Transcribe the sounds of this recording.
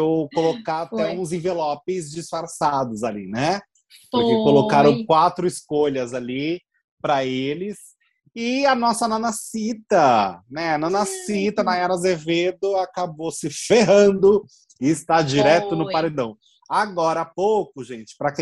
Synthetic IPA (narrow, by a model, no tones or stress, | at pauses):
ewkolokaat̪ɛũzẽvelɔpɪzd͡ʒisfaɾsad̪ʊzalḭnɛ | pʊɾkekolokaɾɐ̃w̃kwat̪ɾʊɪskoʎɐzali | pɾɐelɪs | ɪɐnɔsɐnɐ̃nɐsit̪ɐnɛnɐ̃nɐsit̪ɐnɐɛɾɐzeved̪ʊakabosɪfeɦɐ̃nd̪ʊ | ɪɪst̪ad͡ʒiɾɛt̪ʊnʊpaɾed̪ɐ̃w̃ | aɡɔɾɐapowkʊʒẽt͡ʃɪ̥pɾɐkẽ